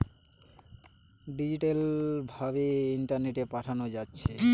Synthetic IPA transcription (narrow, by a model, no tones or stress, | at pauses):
ɖid͡ʑiʈalbʱabeiɳʈaɾneʈepaʈʰanod͡ʑatːɕʰe